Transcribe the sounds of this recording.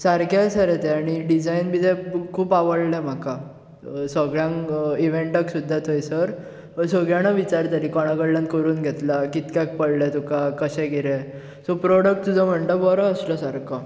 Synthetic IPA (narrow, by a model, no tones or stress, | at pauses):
saɾkajsəɾet̪ɛaɽ̃iɖid͡zajnbid͡zɛkʰuːpaʋəɽlɛm̤aka | səɡɭjãŋiʋeɳʈəksud̪ʱːat̪ʰojsəɾ | səɡɭjaɽ̃aʋit͡ɕaɾt̪aɾikɔɽ̃aɡəɽljãnkəɾuːnɡʱet̪lakit̪kjak̚pəɽlɛt̪ukakəɕɛ̃ɡʱiɾɛ | sɔpɾɔɽək̚ʈ̚t̪ud͡zʱəm̤əɳt̪abɔɾãəsləsaɾka